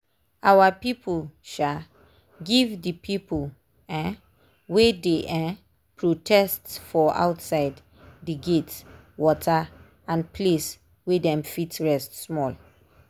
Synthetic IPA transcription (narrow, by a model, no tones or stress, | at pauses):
awapipʰəlʃa | ɡivdəpʰipəl | a | wedeʔa | pʰɹotʰɛstfɔa̰ʊtsaɪd | diɡet | wɔtʰa | ãnpʰles | wedɛ̃mfitɹɛstsmɔl